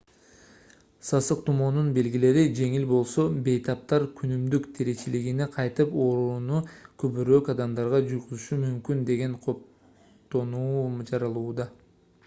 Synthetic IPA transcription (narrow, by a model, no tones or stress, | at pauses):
sɑsɯqt̪ʰumo̞nunbe̞lɡile̞ɾid͡ʒe̞ŋilbo̞lˠso̞be̞jt̪ʰɑp̚t̪ɑɾkʰynymd̪ykt̪ʰeɾe̞t͡ʃiliɡineqʰɑjt̪ɯpo̞ːɾunukʰøβyɾøːkɑd̪ɑmd̪ɑɾʁɑd͡ʒujʁuzuʃumymkynd̪e̞ɡe̞ɴqʰo̞p | t̪o̞nuːd͡ʒɑɾɑlˠuːd̪ɑ